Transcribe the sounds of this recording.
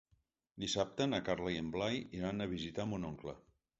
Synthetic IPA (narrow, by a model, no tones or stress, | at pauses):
d̪isap̚t̪ənakaɾlajemblajiɾanəβ̞izit̪amunoŋklə